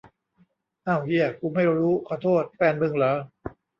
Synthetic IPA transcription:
ʔa˧˩wji˧˥˩ɐkʰuː˧ma˥˩jɾuː˦˥kʰɔː˨˧˩t̪ʰoː˥˩t̪̚fɛː˧nmɯ˧ŋlɤː˨˦

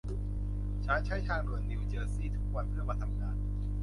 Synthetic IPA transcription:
t͡ɕʰa˦˥nt͡ɕʰa˦˥˩jt͡ɕʰaː˥˩ŋnṵ˨˩ənːi˧wt͡ɕɤː˧siː˥˩t̪ʰu˦˥k̚wa˧npʰɯ˥˩ɐmaː˧t̪ʰa˧mŋaː˧n

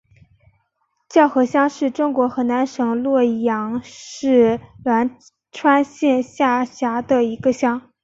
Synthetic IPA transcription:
t͡ɕjɑ˥˩ʊxɤ˧˥ɕjɑ˥ŋʂɻ̩˥˩ʈ͡ʂʊ˥ŋkwɔ˧˥xɤ˧˥na˧˥nʂɤ˧˥ŋlwɔ˥˩jɑ˧˥ŋʂɻ̩˥˩lwa˧˥n | ʈ͡ʂʰwa˥nɕjɛ˥˧nɕja˥˩ɕja˧˥d̪ə˧i˧˥ɡə˧ɕjɑ˥ŋ

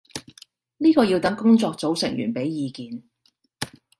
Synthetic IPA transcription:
niː˥kɔː˧jiː˧wt̪ɐ˨˥ŋkʊ˥ŋt͡sɔː˧k̚t͡so˨˥wsɪ˨˩ŋjy̰ː˨˩npe˨˥jjiː˨˧kiː˨˧n

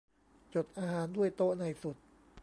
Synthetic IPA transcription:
t͡ɕo˨˩t̪̚ʔaː˧ɦaː˨˩˦ndu˥˩əjt̪oː˥na˧jsu˨˩t̪̚

